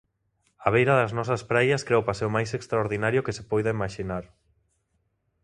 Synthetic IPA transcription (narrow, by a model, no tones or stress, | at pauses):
aβ̞ejɾɐðɐznɔsɐspɾajɐskɾeopaseomajsekst̪ɾaoɾðinaɾjʊkesepɔjðaimaʃinaɾ